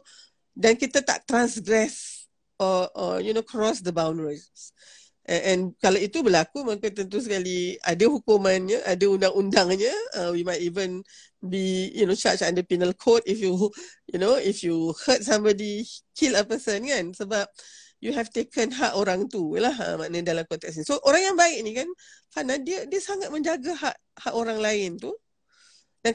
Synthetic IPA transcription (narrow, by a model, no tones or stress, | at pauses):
dankit̪ət̪a̰ʔ̚t̪ɾãnsɡɹɛs | ʔɔə̰junokʰɹɔsd̪əbãw̃ndəɹi | s | ʔʔɛ̃nkalait̪ubəlakumãkət̪̬ənt̪̬us̬əkaliadəhukumãnɲəʔadəundãŋundaŋɲəə̃wimajtivə̃n | bijunot͡ʃat͡ʃãndəpinəlkʰotifjujunoifjuhət̚sãmbɔdikʰiləpəsənkansəbap̚ | juɦɛft̪ekənɦaʔoɾaŋt̪ulaɦə̰manədalamkɔnt̪ɛksnisoʔoɾaŋjaŋbaɪʔ̚nikanfanadiədiəsaŋat̪̚mə̃ɲd͡ʒaɡaɦaʔ | haʔoɾaŋlaɪnt̪u | dan